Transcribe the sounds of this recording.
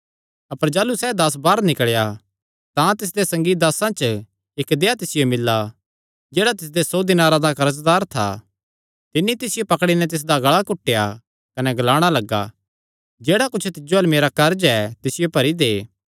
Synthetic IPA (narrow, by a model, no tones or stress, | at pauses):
ɐpəɾd͡ʒaːlusɛːd̪ɐs̬baːɾnɪkɭja | t̪ãt̪ɪs̬d̪esɐ̃ŋɡid̪ɐsãt͡ʃə | ɪkd̪eːat̪ɪsɪjomɪlːa | d͡ʒeːɽat̪̬ɪs̬d̪esoːd̪ɪnãɾad̪akɐɾəs̬d̪aːɾt̪ʰa̰ | t̪ɪnːit̪ɪsɪjopɐkɽ̃inɛ̃t̪̬ɪs̬d̪aɡɐɭakʊʈːeja̰ | kɐnɛɡɐlaːɽ̃alɐɡːa̰ | d͡ʒeːɽakʊt͡ʃʰt̪ɪd͡ʒoɐlmeːɾakɐɾd͡ʒɛt̪ɪsɪjopɐɾid̪eː